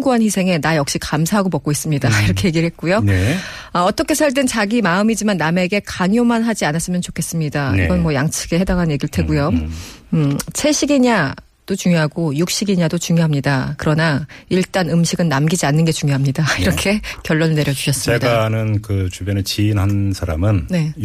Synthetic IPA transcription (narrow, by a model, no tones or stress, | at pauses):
ŋɡuɦanɸisʰe̞ŋe̞najʌk̚ɕ͈ikamsʰaɦaɡopʌk̚k͈ois͈ɯmɲidaiɾʌkʰe̞je̞ɡiɾɯɭhe̞t̚k͈ujon | ʌːt͈ʌkʰe̞sʰaɭt͈ent͡ɕaɡimaɯmid͡ʑimanːame̞ɡe̞kaŋjomanɦad͡ʑianas͈ɯmjʌnt͡ɕokʰe̞s͈ɯmɲidaḭɡʌnmwʌjaŋt͡ɕʰiɡe̞he̞daŋɦanje̞ɡiɾɭtʰe̞ɡujo | t͡ɕʰe̞ɕ͈ʰiɡiɲa | d̥ot͡ɕuŋjoɦaɡojuk̚ɕ͈iɡiɲadot͡ɕuŋjoɦamɲidakɯɾʌnaiɭt͈anɯmɕʰiɡɯnːamɡid͡ʑianːɯnɡe̞t͡ɕuŋjoɦamɲidaiɾʌkʰe̞kjʌɭːonɭne̞ɾjʌd͡ʑu̥ɕʰʌs͈ɯmedanɯnkɯt͡ɕubjʌnet͡ɕiːnɦansʰaɾa̰mɯnne̞